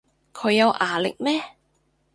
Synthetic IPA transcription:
kʰɵ˨˧ɥjɐ˨˧wʔaː˨˩lɪ̰˨k̚mɛː˥

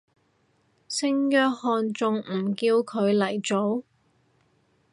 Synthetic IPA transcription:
sɪ˥ŋjœː˧˥k̚hɔː˧nt͡sʊ˨ŋm̩˨˩kiː˧wkʰɵ˨˧ɥlɐ˨˩jt͡so˨˥w

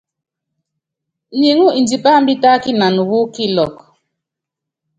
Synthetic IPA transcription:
ɲi˨ŋu˦ʔi˨nd͡ʒi˨pa˦m˦bi˦ta˦ki˦na˨nu˨wu˦ki˦lɔ˨k

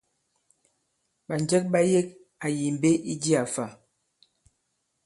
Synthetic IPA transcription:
ɓa˨nd͡ʒɛ˦k̚ɓa˦je˦k̚ | a˨ji˨m˨be˦ʔi˦di˦a˨fa˨

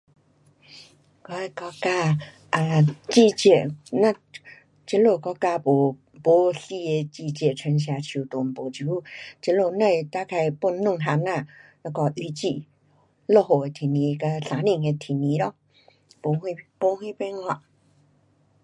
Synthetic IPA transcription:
kɔ˧˦e˧˨kɔ˧˦ka˧ | a˧t͡ʃi˧˨t͡ɕe˨ʔnã˦˧˨ | t͡ʃe˧˦lo˧˨kɔ˧˦ka˧po˨ | po˦ɬi˧e˧t͡ɕi˧˨t͡ɕe˨t͡ʃʰə˧ŋɕ̬ja˧t͡ɕʰju˨t̪o˨m˨po˨t͡ʃu˨˦t͡ʃə˧lo˧˨nə̃˧˨t̪a˦kʰa˧jpo˧˨nnːũ˥˧˨ŋɦa˧nã˧˨la˧kɔ˧˨ʔi˧˨t͡ɕḭ˧˨ | lo˦˧˨ɦo˨e˨t̪ʰi˨nĩ˧˦˧ka˧ɬã˨˦nĩ˧˨ŋẽ˧t̪ʰi˨nĩ˧˦ɾɔ˦ | po˧˨i˧po˧˦hwĩ˦˧pe˧˦ŋ˧a˧˨ʔ

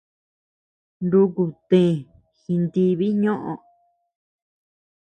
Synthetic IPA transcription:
nd̪u˧ku˨t̪ẽ˨ | xi˧nd̪i˧βi˦ɲõ˦ʔõ̰˧

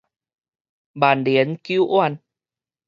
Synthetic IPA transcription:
ɓaː˨˩nɗi˨˦ənki˧˦wʔwaː˧˩n

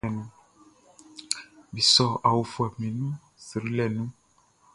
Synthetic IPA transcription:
ɛ˨nũ˦ | bi˨sɔ˨a˨wu˨fu˨ɛ˨mĩ˨nũ˦ | si˨ɾi˦lɛ˨nũ˦

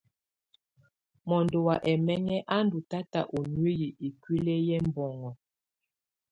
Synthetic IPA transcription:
mɔ˨ndo˨wa˨ʔɛ˨mɛ˦ŋɛ˦ʔa˦ndu˨ta˦ta̰˨ʔo˨nwe˦ɣi˨ʔi˨kwi˦le˦jɛ˦m˦bɔ˨ŋɔ˨

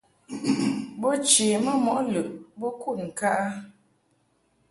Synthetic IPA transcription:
bɔ˦t͡ʃe˨mə˦mɔ˨ʔlɨ˨ʔbɔ˦ku˦˨ŋ̩˨ka˦ʔa˦

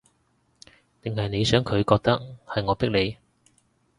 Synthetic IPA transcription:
t̪ɪ˨ŋhɐ˨jne˨˧jsœː˨˥ŋkʰɵ˨˧ɥkɔː˧k̚t̪ɐ˥k̚hɐ˨jŋɔː˨˧pɪ˥k̚le˨˧j

